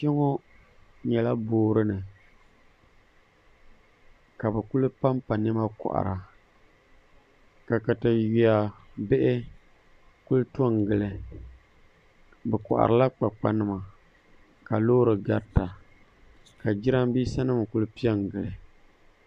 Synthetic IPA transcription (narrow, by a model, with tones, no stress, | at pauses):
kɛ˦ŋo˦ | ɲɛ˨la˦boː˦ɾɨ˦nɨ˨ | ka˨bɨ˨ku˦lɨ˦pa˦mpa˨nɛ˦ma˦kɔ̰˨ʔa̰˨ɾa˨ | ka˨kɨ˨tɨ˨ji˨a˨ | bɪ˦ʔɪ˦ | ku˦lto˦˨ŋ˨ɡɨ˨lɨ˨ | bɨ˨kʊ̰˨ʔa̰˨ɾʔɨ˨la˦k͡pa˨k͡pa˦nɨ˦˨ma˨ | ka˨loː˦ɾɨ˨ɡa˨ɾta˨ | ka˨d͡ʒi˦ɾa˦mbiː˦sa˦nɨ˦m˨ku˦lɨ˦pi˦ɛ˦ŋ˨ɡɨ˨lɨ˨